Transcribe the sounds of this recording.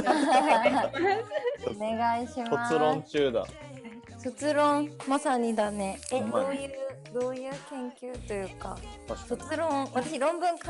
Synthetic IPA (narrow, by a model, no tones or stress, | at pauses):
ne̞ɡaiɕimoaɨɾõnt͡ɕɨːd̪a̰ | so̞t͡sɨɾõŋmasaɲ̟id̪ane̞ed̪oːjɯ | d̪o̞ːjɯːkẽ̞ŋkʲɨːt̪o̞jɯ̟ːka̰sot͡sɨɾõ̞βat̪aɕiɾõ̞mbɯ̟̃ŋka